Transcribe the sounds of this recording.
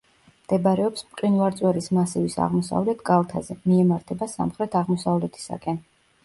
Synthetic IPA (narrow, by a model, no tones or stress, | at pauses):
md̪̥ɛbɾɛɔpspʼqʼinvaɾt̪sʼwɛɾismasɛvisa̰ʁmɔsa̰vlɛt̪ʰɡalˠt̪ʰazɛmiɛmaɾt̪ʰɛbasa̰mχɾɛt̪ʰaʁmɔsavlɛt̪ʰi̥sa̰kʼɛn